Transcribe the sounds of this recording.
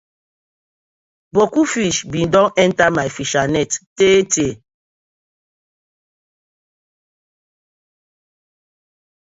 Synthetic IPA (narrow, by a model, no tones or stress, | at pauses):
bɔkufiʃbindɔ̃nɛntamajfiʃanɛtːete